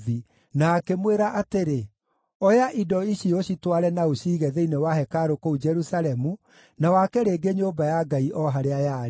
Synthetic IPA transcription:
i | naːkemweɾaʔateɾe | ɔjaʔidɔiɕioɕitwaɾɛnaoɕiːɣɛðeinewaɦɛkaɾokoud͡ʒɛɾusalɛmu | nawakɛɾeɡeɲoːbajaɡaiʔɔɦaɾeajaɾ

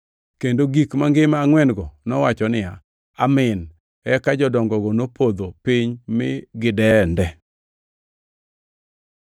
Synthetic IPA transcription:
kendoɡikmaŋɡɪmaŋwɛnɡɔnɔwat͡ʃɔnɪja | amɪn | ɛkad͡ʒɔdɔŋɡɔɡɔnopʰod̪opɪɲmɪɡɪdɛndɛ

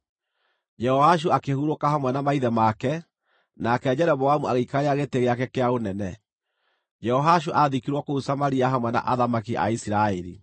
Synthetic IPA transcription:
d͡ʒɛhɔhaʃ̬uakehuɾokaɦamwɛnamaiðɛmakɛ | nakɛd͡ʒɛɾɛβɔamuaɣeikaɾeaɣeteɣeakɛkeaonɛnɛ | d͡ʒɛhɔɦaʃuʔaðikiɾwɔkousamaɾiaɦamwɛna̰ʔaðamakiʔa̰isiɾaɛɾi

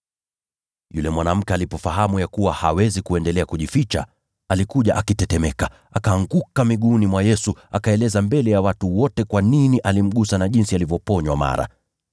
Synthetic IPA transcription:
julɛmwanam̩kɛalipɔfaɦamujakuwahawɛzikuɛndɛlɛakuʄifit͡ʃa̰ | alikuʄaʔakitɛtɛmɛka | akaːŋɡukamiɠunimwajɛsuakaɛlɛzambɛlɛjawatuwɔtɛkwaniniʔalim̩ɠusanaʄinsialivjɔpɔɲwama̰ɾa̰

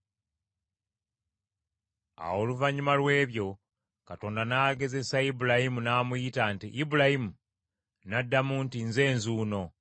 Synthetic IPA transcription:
a̰wo̞luvaɲimalwe̞ːβjo̞ | kato̞ːndanaːɡe̞ze̞saibulahimunaːmujitantiʔːbulahimu | nadːamuntinze̞ːnzuːno̞

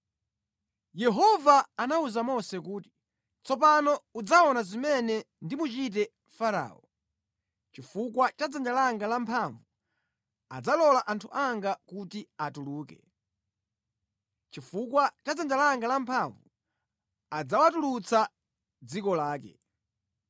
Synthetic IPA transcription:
jɛɦɔvaːnauzamɔsɛkuːti̥ | t͡sɔp̬anɔud͡zaɔnazimɛnɛ | ndimut͡ʃit̬ɛ | faɾa̰ːɔ | t͡ʃifukwat͡ʃad͡zand͡ʒalaŋɡalampʰaɱvu | a̰d͡zalɔlaʔantʰuʔaŋɡakutiatuluːkɛ̰ | t͡ʃifukwat͡ʃad͡zand͡ʒalaŋɡalampʰaɱvu | ad͡zawatulut͡sa | d͡zikɔlaːkɛ̰

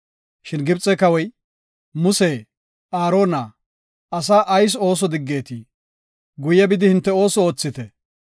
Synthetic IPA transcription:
ʃɪnɡɪbt͡sʼːɛkɐwɔj | mʊseː | ʔaːɾo̞ːnaː | ɐs̬aːʔɐjs̬o̞ːs̬ɔd̪ɪɡːe̞ːt̪iː | ɡʊjɐbɪd̪ɪhɪnt̪ːɛo̞ːsɔoːt͡sːɪt̪ɛ

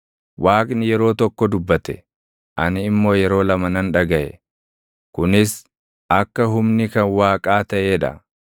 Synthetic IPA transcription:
waːkʼnɪjɛɾo̞ːt̪ɔkːɔd̪ʊbːɐt̪ɛ | ʔɐnɪːmːo̞ːjɛɾo̞ːlɐmɐnɐnᶑɐɡɐʔɛ̰ | kʊnɪs | ʔɐkːɐɦʊmnɪkɐnwaːkʼaːt̪ɐʔeːᶑɐ̰

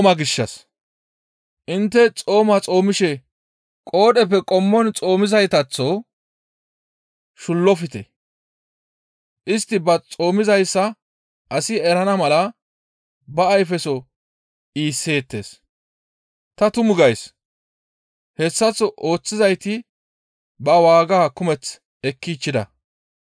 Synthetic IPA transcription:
mɐɡɪʃːɐs | ʔɪnt̪ːɛt͡sʼo̞ːmɐt͡sʼo̞ːmɪʃɛ | kʼo̞ːɗɛpːɛkʼɔmːɔnt͡sʼo̞ːmɪzɐjt̪ɐt͡sːɔ | ʃʊlːɔfɪt̪ɛ | ʔɪst̪ːɪbɐt͡sʼo̞ːmɪzɐjsːɐ | ʔɐsɪɛɾɐnɐmɐlɐ | bɐːjfɛsɔ | iːsːe̞ːt̪ːe̞̰ːs | t̪ɐt̪ʊmʊɡɐjs | hɛsːɐt͡sːɔʔo̞ːt͡sːɪzɐjt̪ɪ | bɐwaːɡaːkʊmɛt͡s | ɛkːit͡ʃːɪd̪ɐ̰

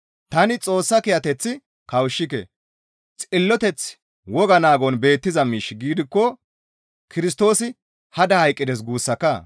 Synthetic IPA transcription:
t̪ɐnɪt͡sʼo̞ːsːɐkɪjɐt̪ɛt͡sːɪ | kɐwʃːɪkɛ̰ | t͡sʼɪlːɔt̪ɛt͡s | wɔɡɐnaːɡɔnbe̞ːt̪ːɪzɐmiːʃɡiːd̪ɪkːɔ | kʰɪɾɪs̬t̪o̞ːsɪ | hɐd̪ɐhɐjkʼːɪd̪ɛs̬ɡuːsːɐkːɐ

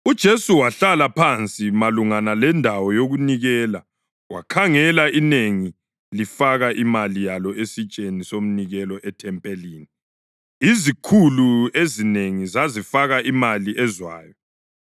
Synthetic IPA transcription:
ud̥ʒ̥ʱesuwaɬalapʰant͡sʼimaluŋanalɛndʱawɔjoɣuniɣɛːla | wa̰kʰaŋɛlaineŋi | lifaɣaʔimalijalɔʔesit͡ʃʼenisom̩niɣɛlɔʔɛtʰɛmpʼeliːni | izikʰuluezineŋizazifaɣaʔimaliʔɛzwa̰ːjɔ

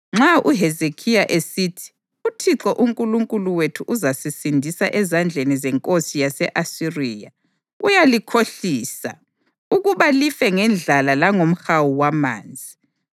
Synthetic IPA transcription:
ŋ͡ǁauɦɛzekʰijaʔesiːtʰi̥ | utʰiǁɔʔuŋkʼuluŋkʼuluwetʰuʔuzasisindʱisa̰ʔɛzand͡ɮʱenizɛŋkʼosijasɛʔasiriːja | ujalikʰoɬiːsa̰ | uɣuβalifɛŋɛnd͡ɮʱalalaŋom̩xawuwama̰ːnd͡zʱi

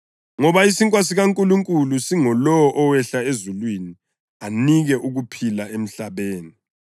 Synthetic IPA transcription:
ŋɔβaisiŋkʼwas̬iɣaŋkʼuluŋkʼulusiŋɔlɔwɔʔɔwɛɬaezulwini | aniɣɛʔuɣupʰilaem̩ɬaβeːni

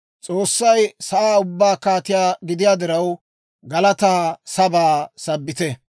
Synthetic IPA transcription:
t͡sʼoːsːɐjsɐʔaːʊbːaːkaːt̪ɪjaːɡɪd̪ɪjaːd̪ɪɾɐw | ɡɐlɐt̪aːsɐbaːsɐbːɪt̪ɛ

